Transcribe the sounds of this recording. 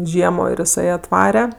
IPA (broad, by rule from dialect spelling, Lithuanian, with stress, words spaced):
ˈʒʲiɛmoː ɪr ɪˈsɐɪ ɐtˈʋɑːrʲɛ